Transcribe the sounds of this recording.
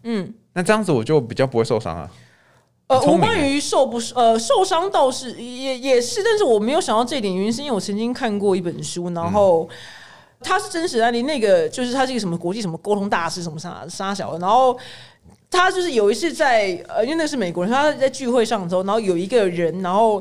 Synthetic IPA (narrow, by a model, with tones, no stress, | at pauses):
n̩˥˩na˥˧˩ʈ͡ʂɤ˥˧jɑ˥˩ŋd͡zɹ̩˩wɔ˨˩t͡ɕjo˥˩ʊpi˨˩t͡ɕjɑ˥˩pu˧˥we˥˧ɪʂo˥˧ʊʂɑ̰˥ŋɐ̰˨˩ | ə˧wu˧˥kwa˦ny˧˥ʂo˥˧ʊpu˥˩ʂə˧ʂo˥˩ʊʂɑ˥ŋt̪ɑ˥˧ʊʂɻ̩˥˩jɛ˨˩jɛ˨˩ʂɻ̩˥˧t̪a˥˧nʂ̬ɻ̩˥˩wɔ˨˩me˧˥ɪjo˨˧ʊɕjɑ˨˩ŋt̪ɑ˥˧ʈ͡ʂɤ˥˧˥t̪jɛ˨˩n˩y˧˥nʂ̬wɔ˨˩t͡sʰɤ˧˥nt͡ɕi˥ŋkʰa˥˧nkwɔ˥˧i˥˩pə˨˩nʂu˥na˧˥nxo˥˧ʊ | t̪ʰa˥ʂɻ̩˥˩ʈ͡ʂə˥nʂ̬ɻ̩˨˩a˧˥ni˥˩ne˥˩ɪɡə˩t͡ɕjo˥˧ʊʂɻ̩ʰ˥˩a˥ɻ̩˥˩˧ʂ̬mə˧˩kwɔ˧˥t͡ɕi˥˩ʂə˧˥mə˧ko˥ʊt̪ʰʊ˧˥ŋt̪a˥˩ʂɻ̩˥ʂə˧˥nmə˧ʂa̰˥ʂa˥ɕ̬jɑ˨˩ʊd̪ə˩na˧˥nxo˥˩ʊ | t̪ʰa˥t͡ɕjo˥˧ʂɻ̩˥˩jo˨˩ʊi˧˥t͡sʰɹ̩˥˧t͡sa˥˩ɪə˨˩˧i˥nwe˧na˥˩˧ʂɻ̩˥˩me˨˩ɪkwɔ˧ɻʰt͡sa˥˧ɪt͡ɕy˥˧xwe˥˧ɪʂɑ˥˩ŋə˩˥˧n˧˥xo˥˩jo˨˩ʊi˧˥ɡə˧ɻə˧˦˥nna˧˥nxo˥˩ʊ